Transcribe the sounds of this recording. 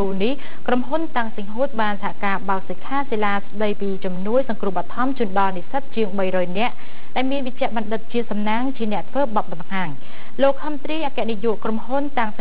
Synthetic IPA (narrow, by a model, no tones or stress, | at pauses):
uːnih | kromɦunt̪aŋsəŋɦuːt̪̚ɓaːnsahaʔkaːɓaək̚səkʰːaːselaːsɗəjpiːt͡ɕɑmnuəjsɑŋkruəhɓɑt̪ʰɑmt͡ɕŭənɗɑlnisət̪̚t͡ɕiəŋɓəjrɔːjnɛ̆əʔ | ɗaɛlmiənʋic̚t͡ɕɛ̆əʔɓɑnɗɨt̪̚t͡ɕiəsɑmnaːŋt͡ɕiənɛ̆əʔt̪ʰʋəːɓɑt̪̚ɓɑmhaːŋ | loːk̚hʰəmt̪riːʔaːkɛ̆əʔnijŭəʔkromhunt̪aŋs